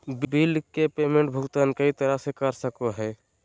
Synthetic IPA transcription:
bbilkepeːmẽɳʈbʱʊɡt̪aːnkəit̪əɾasekəɾsəkoɦɛː

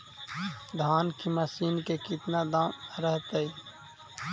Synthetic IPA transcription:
d̪ʱaːnkimasiːnkekɪt̪nad̪aːmɾəɦt̪əi

